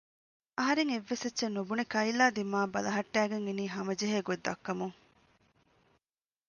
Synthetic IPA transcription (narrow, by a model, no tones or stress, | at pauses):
ɐɦɐɾeŋeʋːesetːʃenubunekɐilaːd̪imaːbɐlɐɦɐʈːæːɡeŋeniːɦɐmɐd͡ʒeɦeːɡod̪ːɐkːɐmuŋ